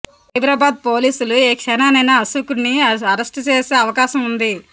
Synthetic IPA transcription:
ɐjbɾaːbaːd̪̚po̞ːliːsulueːkʂɐnaːnɐjnɐɐsukunːiɐɾɐsʈt͡ʃe̞ːse̞ːɐʋɐkaːʃɐmund̪i

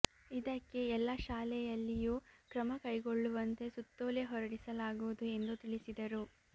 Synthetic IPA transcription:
id̪ɐkːe̞ɛlːɐʃaːlɛjɐlːijuːkɾɐmɐkɐjɡoɭːuʋɐnt̪e̞sut̪ːoːleɦɔɾɐɽisɐlaːɡuʋud̪ue̞nd̪ut̪iɭisid̪ɐɾu

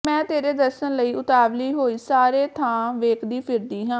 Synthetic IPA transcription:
mɛ̃ːt̪eːɾeːd̪əɾʃənləiːʔʊt̪aːʋliːɦoːiːsaːɾeːt̪ʰãːʋeːkd̪iːpʰɪɾd̪iːɦãː

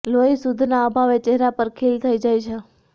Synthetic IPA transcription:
loisud̪ʱnaəbʱaʋet͡ʃeɦɾapəɾkʰelt̪ʰəid͡ʒajt͡ʃʰe

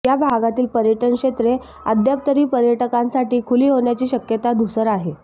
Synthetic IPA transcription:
jabʱaɡat̪iːlpəɾjəʈəɳkʂet̪ɾe | ə̰d̪jap̚t̪əɾiːpəɾjəʈəkãnsaʈiːkʰuliːɦoɳjat͡ɕiːɕəkjət̪ad̪usəɾaɦe

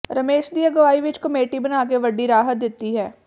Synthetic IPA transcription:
ɾəmeːʃd̪ijaɡəʋaːiʋɪt͡ʃkəmeːʈibənaːk̬eʋəɖːiɾaːɦət̪̚d̪ɪt̪ːiɦɛː

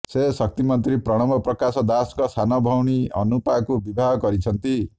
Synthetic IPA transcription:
sesʌk̚t̪imɔnt̪ɾipɾɔɽ̃ɔmbɔpɾɔkasɔd̪askɔsanɔbʱɔwɽ̃iɔ̰nupakubibʱaɦkɔɾit͡ʃʰʌnt̪i

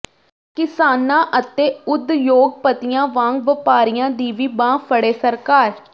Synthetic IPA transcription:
kɪsaːnãːʔət̪eːʊd̪joːɡ̚pət̪ijãːʋãːŋɡʋəpaːɾijãːd̪iːʋiːbãːpʰəɽeːsəɾkaːɾ

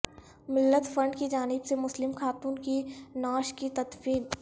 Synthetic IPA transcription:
mɪlːət̪fɐ̃ɳɖkid͡ʒaːnɪbsemʊslɪmxaːt̪uːnkinaːʃkit̪ɐt̪fiːn

